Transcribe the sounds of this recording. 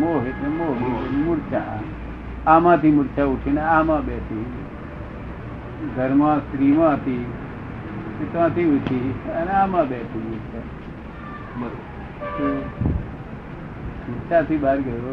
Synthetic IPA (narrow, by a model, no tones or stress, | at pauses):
moːɦet̪ãmomomuɽt͡ʃa | amãt̪imuɽt͡ʃauʈʰineaːmãːbeːt̪ʰi | ɡʱəɾmãːst̪ɾiːmãt̪i | et̪ʋãːt̪iuʈʰiəneaːmãːbet̪ʰimuɾt͡ʃa | bəɾo | t̪o | muɾt͡ʃat̪ibaːɾɡəɾo